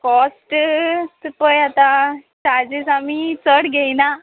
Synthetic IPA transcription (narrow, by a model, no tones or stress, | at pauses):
kɔsʈsupəjat̪at͡ɕaɾd͡ʑesamit͡səɽɡʱejna